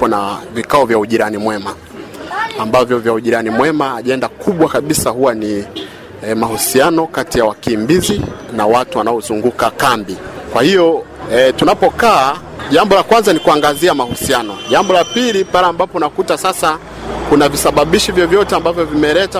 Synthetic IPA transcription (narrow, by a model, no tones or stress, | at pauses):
ɔnavikaɔvjauʄiɾanimwɛmaː | mbavjɔvjauʄiɾanimwɛmaːʄaɛndakʰuɓwakaɓisahuwani | mahusianɔkatijawakimbizinawatuwanaɔzuŋɡukakambikwahijɔ | tunapɔkaː | ʄambɔlakwanzanikuaŋɡaziamahusianɔʄambɔlapilipaɾɛambapɔnakutasasa | kunavisaɓaɓiʃivjɔvjɔtɛambavjɔvimɛlɛta